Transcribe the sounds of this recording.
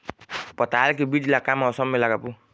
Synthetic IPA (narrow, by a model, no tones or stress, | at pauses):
pɔtaalk̬ibidilakamaɔsɔmːelakapu